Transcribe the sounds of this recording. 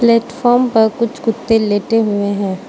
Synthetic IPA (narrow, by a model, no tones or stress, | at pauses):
plɛːʈfɔːɾmpɐɾkʊt͡ʃʰkʊt̪ːeleːʈeɦʊeɦɛ̃ː